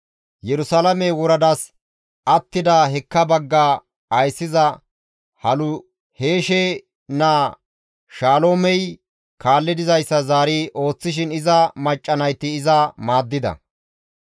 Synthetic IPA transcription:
jɛɾʊsɐlɐmɛwɔɾɐd̪as | ɐt̪ːɪd̪aːɦɛkːɐbɐɡːaː | ɐjsːɪzɐ | hɐlʊ | he̞ːʃeː | naː | ʃaːloːmɛj | kaːlːɪd̪ɪzɐjsːɐzaːɾiːʔo̞ːt͡sːɪʃ̬ɪnɪzɐmɐt͡ʃʼːɐnɐjt̪ːɪːzɐmaːd̪ːɪd̪ɐ̰

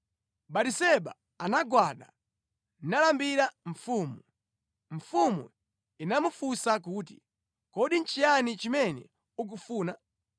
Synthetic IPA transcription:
ɓatisɛɓa̰ | anaɡwaɗa̰ | nalambiɾaɱ̩fuːmu | ɱ̩fumṵ | inamufusak̬uːtḭ | kɔɗin̩t͡ʃijanit͡ʃimɛnɛ̰ | uk̬ufuːna

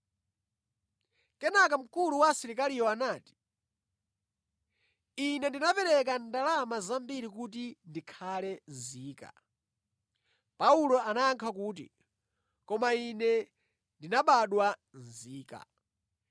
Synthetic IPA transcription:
kɛnakam̩kuluwasiɾikalijɔanaːti̥ | inɛndinapɛɾɛk̬andalamazambiɾikut̬indikʰalɛnziːka̰ | paulɔanaːŋkʰakuːt̬ḭ | kɔmainɛ | ndinaɓaɗwanziːka̰

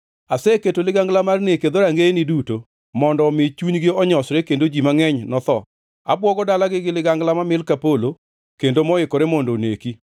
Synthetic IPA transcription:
aseketolɪɡaŋɡlamarneked̪oɾaŋɡenɪduto | mɔndɔmɪt͡ʃuɲɡɪɔɲɔsɾekendod͡ʒimaŋɛɲnɔt̪ɔ | a̰bwɔɡɔdalaɡɪɡɪlɪɡaŋɡlamamɪlkapolo | kendomɔɪkoɾemɔndoneki

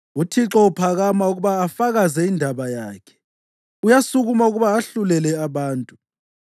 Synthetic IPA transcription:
utʰiǁɔupʰaɣamauɣuβaːfaɣazɛindʱaβajaːkʰɛ̥ | ujasuɣumauɣuβaːɬulɛlɛaβaːntʼu

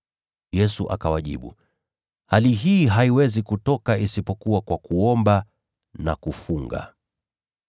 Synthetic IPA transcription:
jɛsuʔa̰kawaʄḭɓṵ | haliɦiːɦaiwɛzikutɔkaisipɔkuwakwakuɔmba | na̰kufuŋɡa̰

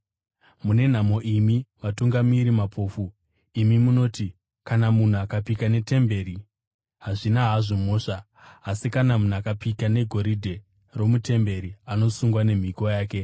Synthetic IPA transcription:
mune̞n̤amo̞ʔimiʋatuŋɡamiɾimapʰo̞ːfu | imimuno̞ːti | kanamun̤uakapikane̞te̞mbe̞ɾi | ɦaʐinaɦaʐomo̞ːʂaː | sikanamun̤uakapikane̞ɡʱo̞ɾidʱe̞ | ro̞mute̞mbe̞ɾiano̞suŋɡwane̞m̤ikojaːke̞

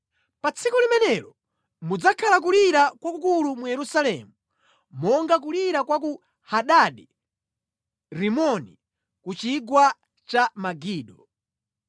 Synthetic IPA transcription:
pat͡sʰikulimɛnɛɾɔ | mud͡zakʰalak̬uliɾakwakukulumujɛɾusalɛmu | mɔŋɡak̬uliɾakwak̬u | haɗaɗi | ɾimɔnḭ | kut͡ʃiɡwa | t͡ʃamaɡiːɗɔ

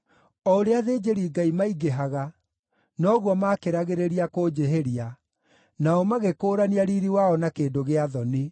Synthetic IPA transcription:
ɔoɾeaðeːd͡ʑeɾiːɡaimaiɡeɦaɣa | nɔɣwɔmakeɾaɣeɾeɾiakoːd͡ʑeɦeɾia | naɔmaɣekoːɾaniaɾiɾiwaɔnakeːdoɣeaðɔne

